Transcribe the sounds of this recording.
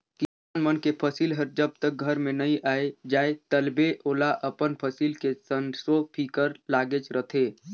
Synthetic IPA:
kɪsaːnmənkepʰəsilɦəɾd͡ʒəb̚t̪ək̚ɡʱəɾmẽnəĩʔaːed͡ʒaːet̪əlbeʔoːlaʔəpənpʰəsiːlkesənsopʰikəɾlaːɡet͡ʃɾət̪ʰe

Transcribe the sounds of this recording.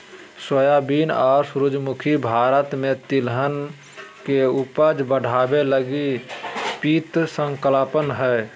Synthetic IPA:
swəjabiːnaːɾsɾʊd͡ʒmʊkʰibʱaːɾət̪mẽt̪ɪlɦən | keupəd͡ʒbəɽ̤ʱaːbeləɡi | piːt̪sə̃ŋkəlaːpənɦɛː

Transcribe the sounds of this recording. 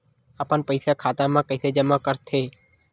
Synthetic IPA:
apəɳpəjsakʰaːt̪amãkəjsed͡ʒəmːakəɾt̪ʰe

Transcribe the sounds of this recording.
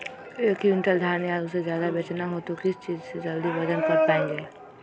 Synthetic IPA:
eːkiʊ̃nʈəld̪ʱaːɾnjad̪sezjaːd̪abjɐt͡ʃnaɦoːt̪okɪst͡ʃiːd͡ʒsed͡ʒəld̪ibɐd̪ənkəɾpaːẽŋɡe

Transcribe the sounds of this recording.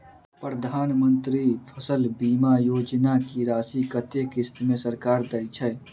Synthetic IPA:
pɾəd̪ʱaːnmənt̪ɾipʰəsəlbiːmajoːd͡ʒnakiɾaːsikət̪ekist̪mesəɾkaɾd̪əjt͡ʃʰɛ

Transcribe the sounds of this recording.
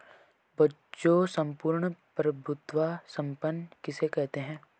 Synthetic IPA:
bɐ | t͡ʃosɐ̃mpuːɾɳəpɾɐbʱʊt̪ʋasɐ̃mpənkɪsekɛɦt̪eɦɛ̃ː

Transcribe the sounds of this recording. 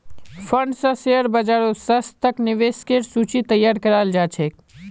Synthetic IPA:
fʰəɳɖsə̃seəɾbəd͡ʒaːɾosəst̪əknɪʋeːskeʈsuːt͡ʃit̪əjaːɾkəɾaːld͡ʒaːt͡ʃʰek

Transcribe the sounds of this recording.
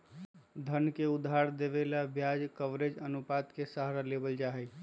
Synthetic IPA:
d̪ʱənkeud̪ʱːaɾd̪eβelabʱjad͡ʒkəʋɾed͡ʒənupat̪kesaɦɾalebəld͡ʒaɦɛj

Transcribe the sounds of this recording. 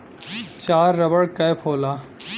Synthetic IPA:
t͡ʃaːɾːɐbəɽkɐjpʰoːlaː

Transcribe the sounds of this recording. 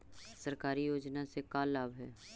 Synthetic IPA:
sɐɾkaːɾijoːd͡ʒnasekaːlːaːbɦɛː

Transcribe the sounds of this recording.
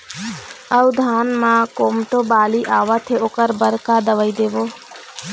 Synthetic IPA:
əwd̪ʱaːnmãkomʈobaliʔaʋat̪ʰeokəɾbəɾkad̪əʋəjd̪ebo

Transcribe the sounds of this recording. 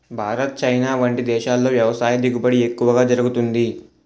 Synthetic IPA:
bʱaːɾɐt̪̚t͡ʃɐjnaːʋɐɳʈid̪ɛːʃaːlːo̞ːʋjɐʋɐsaːjɐd̪iɡupɐɽiekːuʋɐɡaːd͡ʒɐɾuɡut̪und̪i

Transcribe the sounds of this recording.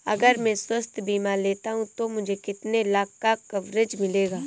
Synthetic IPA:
ɐ̰ɡəɾmɛ̃swɐst̪ʰbiːmaleːt̪aɦũt̪omʊd͡ʒʱekɪt̪nelaːkːakɐʋɾɪd͡ʒmɪleːɡaː

